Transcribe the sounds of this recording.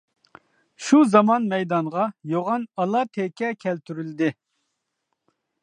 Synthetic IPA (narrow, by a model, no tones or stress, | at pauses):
ʃuzɑmɑnmɛjd̪ɑŋʁɑjoʁɑnɑlˠɑt̪ʰɛkʲʰɛkʲʰɛlt̪ʰyɾyld̪ɪ